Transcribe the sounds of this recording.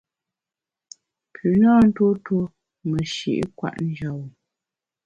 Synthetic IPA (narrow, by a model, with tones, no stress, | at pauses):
pʰʉ˨na˦n̩˦to˦to˦ | mə˨ʃḭ˨ʔkwa̰˦˨ʔn̩˦d͡ʒa˨wu˨